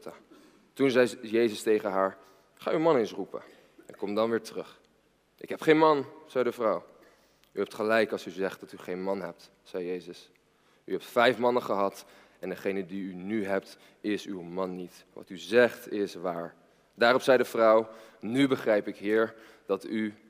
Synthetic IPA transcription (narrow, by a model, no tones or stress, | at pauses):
tunzɛjjejzəstejχəɦaːɹ | χaːywmɑnensrupə̰ | ɛnkɔmdɑnʋɪːɹtrɵχ | ʔɪkɦɛpχejnmɑnz̥ɛjdəvrʌw | yɦɛp̚tχəlɛjkɑlˠsyzɛχt̚d̥ɑtyχejnmɑnɦɛp̚t | sɛjjejzəs | yɦɛp̚tfɛjfmɑnəχəɦɑt | ɛndəχejnədiynyɦɛp̚t | ɪsywmɑnːit | ʋɑ̰tyzɛχtɪsʋaːɹ | daːrɔpsɛjdəvrɔwnybəχrɛjpɪkɦɪːɹ | d̥ɑty